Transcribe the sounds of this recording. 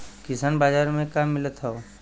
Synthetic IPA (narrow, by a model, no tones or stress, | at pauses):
kɪsaːnbaːd͡ʒaːɾmẽkamːɪlət̪ɦɛo